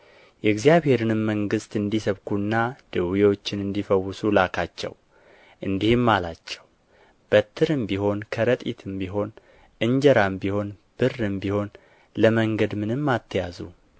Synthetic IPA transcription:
jɛɡzijaβhe̞ɾɨnɨmːəŋɡɨst̪ɨnd̪isəβkʰunːad̪̥ɨwijo̞t͡ʃːɪnɨnd̪ifəwːʊsulakʰat͡ʃːɛ̰w | ʔɨnd̪ihɨmːalat͡ʃːɛw | b̥ət̪ʰːɨɾɨmbiho̞nkʰəɾət̪ʼḭt̪ʰɨmbiɦo̞n | ʔɨɲd͡ʒɛɾambiho̞nb̥ɨrɨmbiho̞n | ləməŋɡəd̪mɨnɨmːat̪ʰːjazṵ

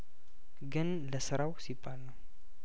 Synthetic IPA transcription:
ɡɨn | ləsɨɾawsibːalnəw

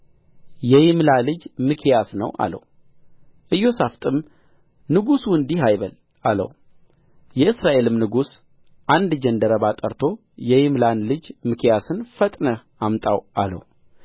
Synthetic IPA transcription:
jɛjɪmlalɨd͡ʒmɨkʰjasnəwʔa̰lə̰w | ʔɨjːo̞saft̪ʼɨm | nɨɡusuɨnd̪iɦajβəl | alə̰w | jɛɨsɾaʔe̞lɨmnɨɡus | ʔand̪d͡ʒɛnd̪əɾəbat̪ʼəɾt̪ʰo̞ | jɛjɪmlanlɨd͡ʒmɨkʰjasɨnfət̪ʼnə | ʔamt̪ʼawʔa̰lə̰w

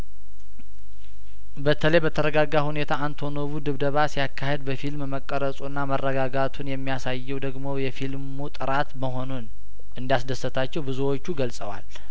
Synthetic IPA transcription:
bət̪ʰələjbət̪ʰəɾəɡaɡːahune̞t̪ʰaːnt̪ʰo̞noβud̪ɨβd̪əβasijakʰːahed̪̚bəfilmməkʼːəɾəsʼunːamərːəɡaɡat̪ʰunjɛmːijasajːɛwd̪əɡmo̞jɛfilmut̪ʼɨɾat̪məɦo̞nun | ʔɨnd̪jasd̪əsːət̪ʰat͡ʃːɛwbɨzuwot͡ʃːuɡəlsʼəwa̰l

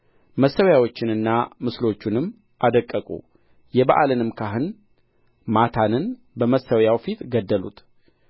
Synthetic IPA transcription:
məsːəwjawo̞t͡ʃːɪnɨnːamɨslo̞t͡ʃːunɨmː | ʔad̪əkʼːəkʼṵ | jɛbaʔalɨnɨmkʰaɦɨn | mat̪ʰanɨn | bəməsːəwjawfit̪ɡəd̪ːəlṵt̪

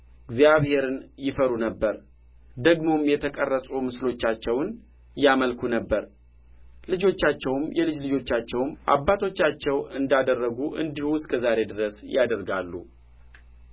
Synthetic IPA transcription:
ɡzjaβhe̞ɾɨnjɪfəɾunəbːəɾ | d̪əɡmo̞mjɛt̪ʰəkʼərːət̪ʼumɨslo̞t͡ʃːat͡ʃːɛwn | jaməlkʰunəbːəɾ | lɨd͡ʒo̞t͡ʃːat͡ʃːɛwmjɛlɨd͡ʒlɨd͡ʒo̞t͡ʃːat͡ʃːɛwmʔa̰bːat̪ʰo̞t͡ʃːat͡ʃːɛwɨnd̪ad̪ərːəɡuʔɨ̰nd̪ihuskʰəzaɾe̞d̪ɨɾəsjad̪əɾɡalːṵ

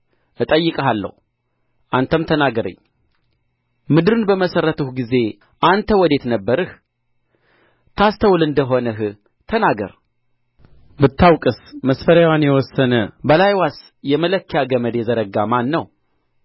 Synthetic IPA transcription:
ʔɨt̪ʼəjːɨkʼɦalːə̰hu | ʔant̪ʰəmt̪ʰənaɡəɾə̰ɲː | mɨd̪ɨɾɨnbəməsərət̪ʰəhɡize̞ | ʔant̪ʰəwɔd̪e̞t̪nəbːəɾɨh | t̪ʰast̪ʰəwlɨnd̪əɦo̞nəɦɨ | t̪ʰənaɡə̰ɾ | bɨt̪ʰːawkʼɨsməsfəɾawanjɛwɔsːənəbəlajwas | jɛmələkʰːəjaɡəməd̪jɛzəɾəɡamanːəw

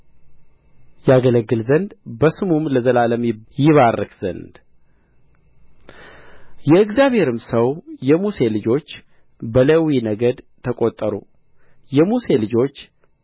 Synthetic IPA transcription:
jaɡələɡːɨlzənd̪bəsɨmumləzəlaləmjɪβarːəkz̥ə̰nd̪ | jɛɨɡzjaβhe̞ɾɨmsəwjɛmuse̞lɨd͡ʒo̞t͡ʃː | bələwinəɡəd̪ | t̪ʰəkʼot̪ʼːəɾṵ | jɛmuse̞lɨd͡ʒo̞t͡ʃː

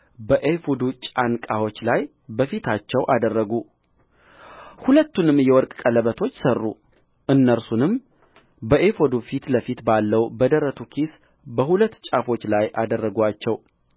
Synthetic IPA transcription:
bəʔefod̪ut͡ʃʼankʼahwo̞t͡ʃːlaj | bəfit̪ʰat͡ʃːɛwʔad̪ərːəɡu | hulət̪ːunɨmːjɛwɔɾkʼkʼələβət̪ʰo̞t͡ʃːsərːṵ | ʔɨnːəɾsunɨm | bəʔefod̪ufit̪ləfit̪balːəwbəd̪əɾət̪ʰukʰis | bəɦulət̪ːt͡ʃʼafo̞t͡ʃːlajʔad̪ərːəɡʷat͡ʃːɛw

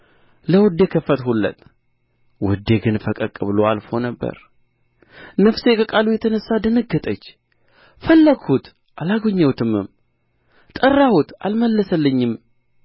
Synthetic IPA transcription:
ləwɨd̪e̞kʰəfət̪hulːə̰t̪ʼ | wɨd̪ːe̞ɡɨnfəkʼəkʼɨβɨloalfo̞nəbːə̰ɾ | nəfse̞kʼəkʼalujɛt̪ʰənəsːad̪ənəɡət̪ʼət͡ʃː | fəlːəɡhut̪ | ʔalaɡoɲːəwt̪ʰɨmɨ̰m | t̪ʼərːahut̪a̰lməlːəsəlːəɲːɪm

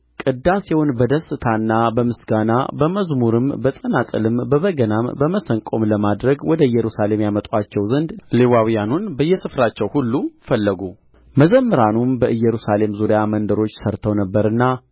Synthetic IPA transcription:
kʼɨd̪ːasihonbəd̪əsːɨt̪ʰanːabəmɨsɡana̰bəməzmuɾɨmbəsʼənatʼə̰lɨmbəβəɡənambəməsəŋkʼo̞mləmad̪ɾəɡwɔd̪əɨjːɛɾusale̞mjamət̪ʼwat͡ʃːɛwzənd̪lewawijanunbəjːɛsɨfɾat͡ʃːɛwhulːufəlːəɡu | məzəmːɨɾanumbəʔɨjɛɾusale̞mzuɾijamənd̪əɾo̞t͡ʃːsəɾt̪ʰəwnəbːəɾɨnːa

